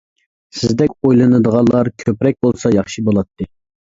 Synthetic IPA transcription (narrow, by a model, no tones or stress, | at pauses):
sɪzd̪ɛkʲojlˠɨnɨd̪əʁɑnlːˠɑɾkʲʰøpɾɛk̚ʲbolˠsɑjɑχʃibolˠɑt̪ʰːɨ